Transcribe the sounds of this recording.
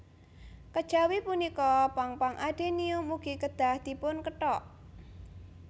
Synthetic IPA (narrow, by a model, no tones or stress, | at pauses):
kəd̥ʒ̥a̤wipunikɔpaŋpaŋʔaɖ̥e̤niʊmuɡ̥ikəd̪̥a̤hd̪̥i̤pʊnkəʈɔʔ